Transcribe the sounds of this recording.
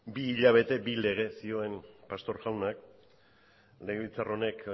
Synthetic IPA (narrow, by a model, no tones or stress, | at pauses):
biːʎaβ̞e̞t̪e̞bile̞ɣ̞e̞sio̞e̞mpast̪o̞ɾʝawnak | leɣeit͡saro̞ne̞k